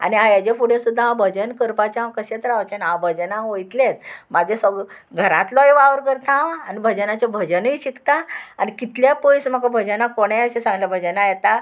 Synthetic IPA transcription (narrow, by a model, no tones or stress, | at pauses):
a̰niãjad͡ʑefuɽẽsud̪ʱːaãbʱəd͡ʑənkəɾpat͡ɕaɦãkəɕet̪ɾaʋt͡ɕenabʱəd͡ʑənãɦojt̪let̪̚mad͡ʑʱesəɡ | ɡʱəɾãt̪lɔjʋaʋəɾkəɾt̪ʰãːnibʱəd͡ʑənat͡ɕabʱəd͡ʑəniɕikt̪aanikit̪ljapojsm̤əkabʱəd͡ʑənakoɽ̃eəɕẽsãŋɡlabʱəd͡ʑənajɛt̪a